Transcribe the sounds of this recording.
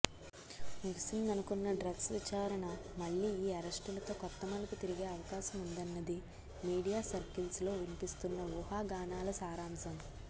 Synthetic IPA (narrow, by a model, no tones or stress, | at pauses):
miɡsind̪ɐnukunːɐɖɾɐɡsʋit͡ʃaːɾɐɳɐmɐɭːiːiːɐɾɐsʈulɐt̪o̞ːkɔt̪ːɐmɐlɐkut̪iɾiɡe̞ːɐʋɐkaːʃɐmund̪ɐnːɐd̪i | miːɽijaːsɐɾkilslo̞ːʋinipist̪unːɐʋuɦaːɡaːnaːlɐsaːɾaːmsɐm